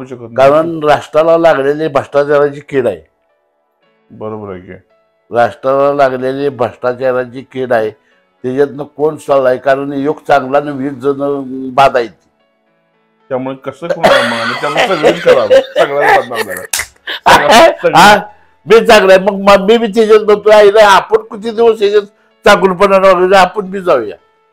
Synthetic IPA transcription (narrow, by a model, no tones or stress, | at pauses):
ɕəkʰət̪nkaɾəɳɾaʂʈɾalalaɡlelebʱaʂʈat͡ɕaɾat͡ɕiːkeɽaj | bəɾobəɾakḛ | ɾaʂʈɾalalaɡlelebʱəʂʈat͡ɕaɾat͡ɕiːkeɽaj | t̪ed͡ʑat̪nəkonsəlajkaɾəɳjokt͡sãŋɡlanəʋid͡zənəbad̪ajt̪i | t̪jamuɭekəsəːuɳaməɡamət̪jamsəɡenkəɾaʋəɡɭabad̪nad̪aa̰ | səəɡɦã | miːt͡sãŋɡlajməɡ̚məmibiːt̪̬ed͡ʑat̪nət̪uailaapəɳkit̪ʰid̪iʋəsed͡ʑet͡s | t͡saɡunp̬ənanʋaɡəɾəapəɳmiːd͡zawja̰